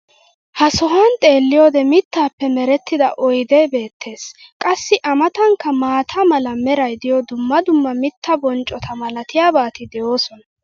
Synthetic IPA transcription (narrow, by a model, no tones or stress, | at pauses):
hɐsɔɦɐnt̪ʼe̞ːlːɪjoːd̪ɛmɪt̪ːaːpːɛmɛɾɛt̪ːɪd̪ɐ̰ʔɔjd̪ɛbe̞ːt̪ːe̞ːskʼɐsːɪʔɐmɐt̪ɐŋkːɐmaːt̪ʰɐmɐlɐmɛɾɐjd̪ɪjɔd̪ʊmːɐd̪ʊmːɐmɪt̪ʰːɐbɔnt͡ʃʼːɔt̪ʰɐmɐlɐt̪ɪjaːbaːt̪ɪd̪ɛjo̞ːsɔnɐ